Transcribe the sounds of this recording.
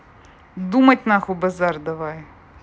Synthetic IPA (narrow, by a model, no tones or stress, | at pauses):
d̪umɐtʲnaxubɐzɑrd̪ɐʋaj